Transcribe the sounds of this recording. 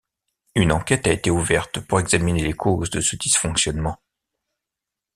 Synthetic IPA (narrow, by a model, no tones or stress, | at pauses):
ynɑ̃kʲɛt̪aet̪euvɛʁt̪puʁɛɡzaminelekʰozd̪əsəd̪isfɔ̃ksjɔnmɑ̃